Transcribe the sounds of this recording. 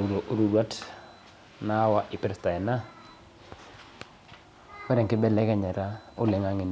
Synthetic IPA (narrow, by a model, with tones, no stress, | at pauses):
ɾo˨ʔɾu˨ɾwa˦t | na˦wa˦ʔɪ˨pɾsta˨ɛ˨na˦ | wɛ˦ɾɛ˨ŋkɪ˦bɛ˦lɛ˦kɛ˨ɲɛ˨ɾa˦ʊ˦lɛ˨ŋa˨˦ŋɪ˨n